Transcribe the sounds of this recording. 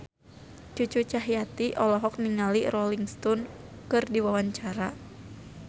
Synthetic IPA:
t͡ʃut͡ʃut͡ʃaɦijat̪iʔɔlɔɦɔk̚niŋalirɔliŋst̪ɔn | kɨrdiwawaɲt͡ʃaɾa

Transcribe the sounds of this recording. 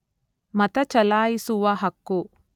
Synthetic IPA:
mɐt̪ɐt͡ʃɐlaːjisuʋɐɦɐkːu

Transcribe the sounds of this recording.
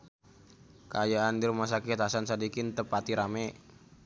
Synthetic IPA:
kajaːndɪrmas̬akɪt̪ɦasansadikɪnt̪əpat̪iɾamɛ

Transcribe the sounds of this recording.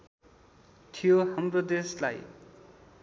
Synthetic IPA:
t̪ʰijoɦamrod̪esla̰j

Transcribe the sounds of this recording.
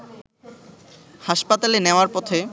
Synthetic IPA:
haʃpat̪aleneoaɾpɔt̪ʰe

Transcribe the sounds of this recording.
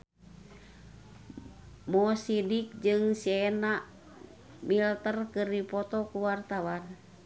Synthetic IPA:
mɔsidik̚d͡ʒɨŋsɛnaʔ | milt̪ərkɨrdipɔt̪ɔkuwart̪awan

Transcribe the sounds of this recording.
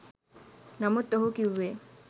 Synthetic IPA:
namut̪ːoɦukiwːe

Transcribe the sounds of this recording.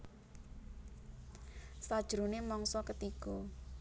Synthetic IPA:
sad̥ʒ̥ɾunemɔŋsɔkət̪iɡ̥ɔ

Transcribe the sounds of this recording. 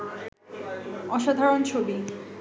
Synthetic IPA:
ɔʃad̪ʱaɾont͡ɕʰobi

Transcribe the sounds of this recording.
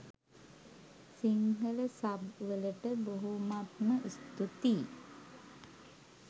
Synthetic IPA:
siŋɡələsabʋələʈəboɦumat̪məʔist̪ut̪i

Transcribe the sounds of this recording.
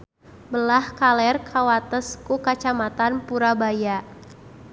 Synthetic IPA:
bəlahkalɛrkʰawat̪əskukat͡ʃamat̪anpuɾabaja

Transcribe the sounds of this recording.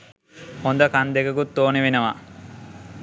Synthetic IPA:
hond̪əkand̪eɡɐɡut̪ːoːneʋenəʋa̰

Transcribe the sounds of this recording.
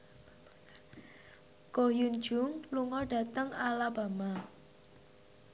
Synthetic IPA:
kojun̥d͡ʒ̥ʊ̤ŋluŋɔɖ̥a̤t̪əŋalab̥a̤ma

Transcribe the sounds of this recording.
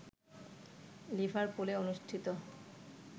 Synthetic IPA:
libʱaɾpuleonuʃʈʰit̪o

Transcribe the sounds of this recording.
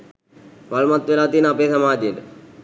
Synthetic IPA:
ʋalmat̪ːʋelaːt̪iːnəapeːsɐmaːd̪ijəʈə

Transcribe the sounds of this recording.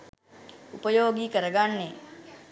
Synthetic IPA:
upəjoːɡikəɾəɡanːe

